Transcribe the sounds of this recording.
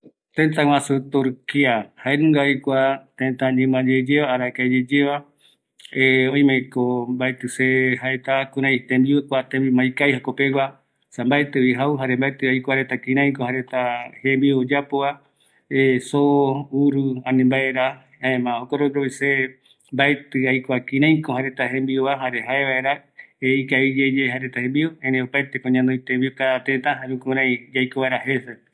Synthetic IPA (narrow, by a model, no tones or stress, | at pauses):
t̪ẽnt̪ãwãsut̪uɾkiahaenũŋɡajkʷat̪ẽnt̪aɲɨ̃mãd͡ʒed͡ʒeβaːɾaekaed͡ʒed͡ʒeβa | eõĩmẽkombaet̪ɨsehaet̪akũɾãj̃t̪ẽmbiekʷat̪ẽmbimajkajhakopewa | sambaet̪ɨβiɦauɦaɾembaet̪ɨajkʷaɾet̪akĩɾ̃ãj̃kohaɾet̪ahẽmbiod͡ʒapoa | esouɾuanẽmbaeɾa | aẽmãokoɾoɾoise | mbaet̪ɨajkʷakĩɾ̃ãj̃kohaɾet̪aɦẽmbioβaɦaɾeɦaeβaeɾaeikaid͡ʒed͡ʒeɦaɾet̪ahẽmbioẽɾẽopajt̪ekõɲãnd̪oit̪ẽmbiokat̪et̪ãɦaɾũkuɾãjd͡ʒajkoβaeɾahese